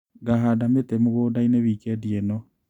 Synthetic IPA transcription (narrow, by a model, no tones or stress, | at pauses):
ɡaɦaːdametemoɣoːndaineβiːkɛdiɛnɔ